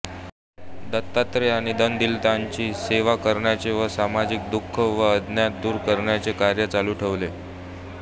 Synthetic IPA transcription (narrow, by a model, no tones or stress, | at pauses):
d̪ət̪ːat̪ɾeaɽ̃id̪ənd̪ilt̪aɲt͡ɕiːseʋakəɾɳjat͡ɕeʋəsamad͡ʑik̚d̪ukʰːəʋəəd̪ʱnjat̪̚d̪uːɾkəɾɳjat͡sekaɾjət͡saluːʈʰeʋle